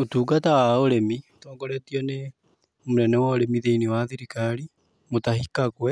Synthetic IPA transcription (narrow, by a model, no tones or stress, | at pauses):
otuːkatawaoɾemitɔːŋɡɔɾɛtiɔne | moɾɛnɛwaoɾemiðeinewaðeɾikaɾi | motaɦhikakwɛ